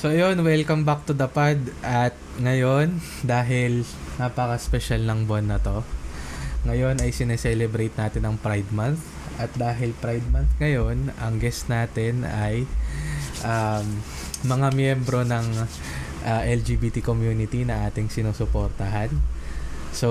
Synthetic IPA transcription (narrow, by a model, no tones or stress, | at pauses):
soɐjo̞nwɛlkɐmbak̚t̪ʊd̪ɐpaɹd̪ʔɐt̪̚ŋɐjo̞n | d̪aːɦɪlnaːpɐkɐspɛʃalnɐŋbʊɐnːɐt̪o̞ | ŋɐjo̞nɐjsɪnɛsɛlɛbɾɐjt̪̚naːt̪ɪnɐŋpɾajd̪̚manθ | ʔɐt̪̚d̪aːɦɪlpɾajd̪̚mɐnθŋɐjo̞nɐŋɡɛst̪naːt̪ɛnɐj | ʔam | mɐŋamjɛmbɾo̞nɐŋ | ʔɐʔɛld͡ʒiːbiːt̪ikomjuːnɪt̪inɐʔaːt̪ɪŋsɪnuːsʊpoɾt̪ɐɦan | so